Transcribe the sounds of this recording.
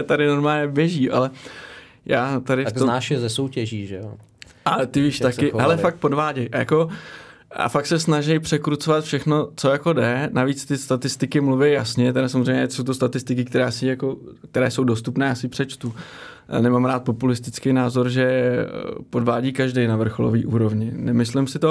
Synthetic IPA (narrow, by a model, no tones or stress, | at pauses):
ɛt̪adɪno̞ɾmaːlɲɛbjɛʒiːʔa̰lɛ | jaːt̪adɪft̪onaːʃjɛzɛsowcɛʒiːʒɛo̰ | ʔat̪ɪviːʃt̪akkɪɦɛlɛfak̚t̪̚po̞dvaːɟɛjʔajako̞ | a̰fak̚sɛsnaʒɛjpr̝̥ɛkɾut͡sovat̪fʃɛxno̞t͡sojako̞dɛnaviːt͡st̪ɪst̪at̪ɪst̪ɪkɪmluvɛjjasɲɛt̪ɛɾasamzrɛjɲɛso̞wt̪ost̪at̪ɪst̪ɪkɪk̚t̪ɛɾaːsɪjako̞k̚t̪ɛɾɛːso̞wdo̞st̪upnɛːjaːsɪpr̥ɛt͡ʃt̪u | nɛmaːmɾaːt̪̚po̞pulɪst̪ɪt͡skɛjnaːzoɾʒɛ | po̞dvaːɟiːkaʒdɛjnavr̩xolo̰vḭːʔuːɾo̞vɲɪnɛmɪslɪmsɪt̪o̞